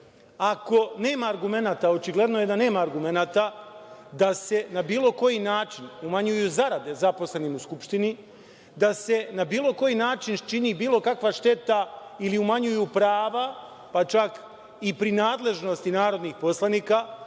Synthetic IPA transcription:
ako̞ne̞ːmaːɾɡume̞naːt̪aot͡ʃiɡle̞d̪noje̞d̪ane̞ːmaːɾɡume̞naːt̪ad̪ase̞nabiːlˠo̞ko̞jinaːt͡ʃinumaɲujuzaɾad̪e̞zapo̞sle̞nimuskupʃt̪ini | d̪ase̞nabiːlo̞ko̞jinaːt͡ʃint͡ʃiniːbiːlo̞kakʋaʃt̪e̞t̪ailiumaɲujupɾaːʋa | pat͡ʃak | ipɾinaːd̪le̞ʒno̞st̪inaːɾo̞d̪niːxpo̞slˠaniːka

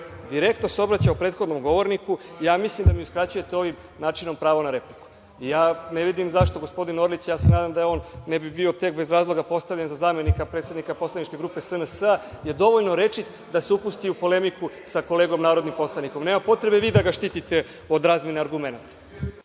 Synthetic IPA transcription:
d̪iɾe̞kt̪noseo̞bɾat͡ɕaupɾet̪xo̞d̪no̞mɡo̞ʋo̞ɾnikuijaːmislimd̪amiuskɾat͡ɕuje̞t̪eo̞ʋim | naːt͡ʃino̞mpɾaːʋonaɾe̞pliku̥ | ijaːneʋid̪imzaʃt̪o̞ɡo̞spo̞d̪ino̞ɾlit͡ɕjaːsenaːd̪amd̪ajeoːnːebibio̞t̪e̞kbe̞zɾaːzlˠo̞ɡapo̞st̪aʋʎenzazaːme̞nikapɾet̪sed̪nikapo̞slˠanit͡ʃke̞ɡɾuːpesənəsəa | je̞d̪o̞ʋo̞ʎnoɾe̞t͡ʃit̪ | d̪aseupust̪iupo̞le̞miku | sako̞leɡo̞mnaːɾo̞d̪nimpo̞slˠanikomne̞ːmapo̞t̪ɾe̞beʋiːd̪aɡaʃt̪it̪it̪e̞ | od̪ɾaːzmjeneaɾɡumenat̪

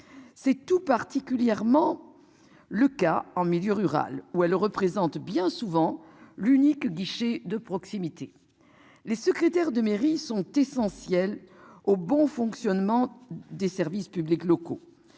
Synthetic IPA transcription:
sɛt̪upaʁt̪ikʲyljɛʁmɑ̃ | ləkaɑ̃miljøʁyʁa̰luɛlʁəpχezɑ̃t̪bjɛ̃suvɑ̃ | lynikɡiʃed̪əpχɔksimit̪ʰe | lesəkχet̪ɛʁd̪əmeʁisɔ̃t̪esɑ̃sjɛlobɔ̃fɔ̃ksjɔnmɑ̃d̪esɛʁvispybliklɔko

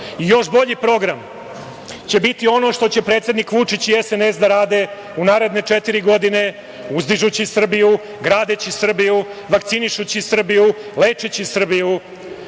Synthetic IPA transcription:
ijo̞ʃbo̞ʎipɾo̞ɡɾam | t͡ɕe̞bit̪io̞no̞ʃt̪o̞t͡ɕe̞pɾeːt̪sed̪nikʋut͡ʂit͡ɕiesenesd̪aɾaːd̪e̞ | unaːɾe̞d̪ne̞t͡ʂet̪iɾiɡo̞d̪ine̞ | uzd̪iʒut͡ɕisr̩biju | ɡɾaːd̪et͡ɕisr̩bijuʋakt̪siniʃut͡ɕisr̩bijule̞ːt͡ʂet͡ɕisr̩biju

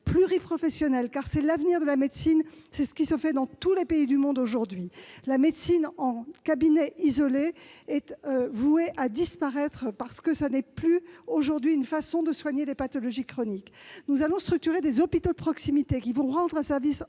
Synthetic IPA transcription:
plyʁipχɔfɛsjɔnɛlkaʁsɛlavniʁd̪əlamed̪sinsɛsə̥kʲisəfɛd̪ɑ̃t̪ulepeid̪ymɔ̃d̪oʒuʁd̪ɥilamed̪sinɑ̃kabinɛʔizɔleɛt̪vueʔad̪ispaʁɛt̪χəpaʁsə̥kəsanɛplyoʒuʁd̪ɥiynfasɔ̃d̪əswaɲelepat̪ɔlɔʒikχɔniknuzalɔ̃st̪χyk̚t̪yʁed̪ezɔpit̪od̪əpχɔksimit̪ekʲivɔ̃ʁɑ̃d̪ʁɛ̃sɛʁvis

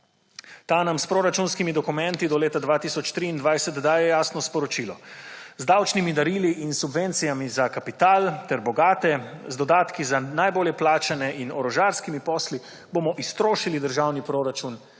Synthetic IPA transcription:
t̪aːnamspɾoɾat͡ʃunskimid̪ɔkumɛnt̪id̪ɔleːt̪ad̪ʋaːt̪isɔt͡ʃt̪ɾiːnd̪ʋajsɛt̪d̪aːjɛjaːsnɔspɔɾɔt͡ʃilɔzd̪awt͡ʃnimid̪aɾiːliʔinsubʋent̪sijamizakapit̪aːlt̪ɛɾbɔɡaːt̪ɛzd̪ɔd̪aːt̪kizanajboːljɛplaːt͡ʃanɛʔinɔɾɔʒaːɾskimipɔːsli | boːmɔʔist̪ɾoːʃilid̪əɾʒawnipɾoːɾat͡ʃun

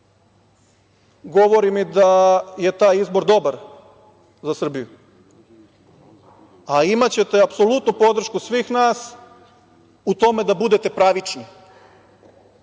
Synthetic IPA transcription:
ɡo̞ʋo̞ɾimid̪aje̞t̪aːjizbo̞ɾd̪o̞baɾ | zasr̩biju | aimat͡ɕet̪eapso̞lut̪nupo̞d̪r̩ʃkusʋiːxnaːs | ut̪o̞med̪abud̪e̞t̪e̞pɾaʋit͡ʃni

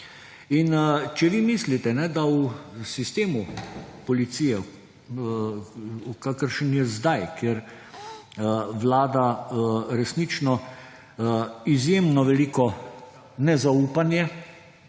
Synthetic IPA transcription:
int͡ʃɛʋimislit̪ɛnɛd̪ausist̪eːmupɔlit̪siːjɛ | ukakəɾʃənjɛzd̪ajkjɛɾ | ʋlaːd̪aɾɛsnit͡ʃnɔ | izjeːmnɔʋɛliːkɔ | nɛzauːpanjɛ

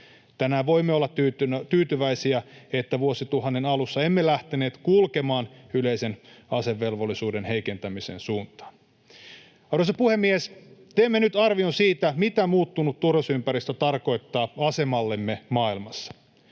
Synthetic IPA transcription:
t̪ænæːʋo̞imːeolːɑt̪yt̪yːt̪yʋæisiæet̪ːæʋuosit̪uɦɑnːenɑlusːɑe̞mːelæht̪eneːt̪kulkemɑːnyle̞ise̞nɑse̞ʋːe̞lʋolːisuːdenhe̞jke̞nt̪æmisḛːnsuːnt̪ɑ̥ːn | ɑɾosɑpuhe̞mːiest̪eːmːenyt̪ɑrʋionsiːt̪æmit̪æmuːt̪ːunut̪ːurosympæɾist̪æt̪ɑrko̞jt̪ːɑːɑse̞mɑlːe̞mːemɑːilmɑsːɑ̥

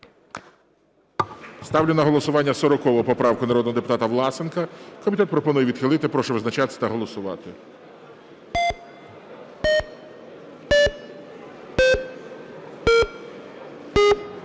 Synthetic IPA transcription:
st̪ɑwlʲɪnɐɦɔlˠɔsʊʋɑnʲːɐsɔɾɔkɔʋɔpɔpɾɑwkʊnɐɾɔd̪nɔɦɔd̪epʊ̥t̪ɑt̪ɐʋlˠɑsenkɐkɔmʲit̪ɛt̪pɾɔpɔnujɛʋʲid̪xɪlˠɪt̪ɪpɾɔʃɛʋɪznɐt͡ʃɑt̪ɪ̥sʲɐ̥t̪ɐɦɔlˠɔsʊʋɑ̰t̪ɪ

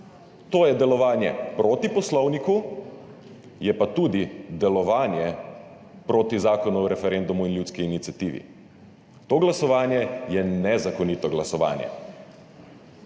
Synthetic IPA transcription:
t̪oːjɛd̪ɛlɔʋaːnjɛpɾoːt̪ipɔslɔwniku | jɛpat̪uːd̪id̪ɛlɔʋaːnjɛ | pɾoːt̪izaːkɔnuɾɛfɛɾɛnd̪umuinljuːskiːnit̪sijat̪iːʋḭ | t̪oːɡlasɔʋaːnjɛjɛnɛzakɔniːt̪ɔɡlasɔʋa̰ːnjɛ̰

